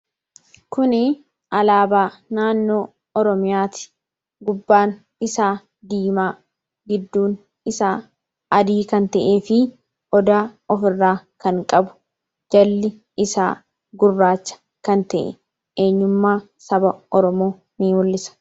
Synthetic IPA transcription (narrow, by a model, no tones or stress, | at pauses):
kʊnɪ | ʔɐlaːbaːnaːnːo̞ː | ɔɾɔmɪjaːt̪ɪ̥ | ɡʊbːaːn | ɪsaː | d̪iːmaː | ɡɪd̪ːuːn | ɪsaː | ɐd̪iːkɐnt̪ɐʔeːfɪ | ʔɔd̪aːɔfɪrːaːkɐŋkʼɐbʊ̥ | d͡ʒɐlːɪ | ɪsa̰ː | ɡʊrːaːt͡ʃːɐ̥ | kɐnt̪ɐʔɛ̰ | ʔe̞ːɲːʊmːaː | sɐbɐɔɾɔmo̞ː | niːmʊlːɪsɐ̥